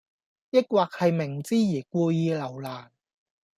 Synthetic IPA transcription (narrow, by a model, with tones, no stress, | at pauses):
jɪ˥k̚waː˨˧k̚hɐ˨jmɪ˨˩ŋt͡siː˥jiː˨˩kʷuː˧jiː˧lɐ˨˩wlaː˨˩n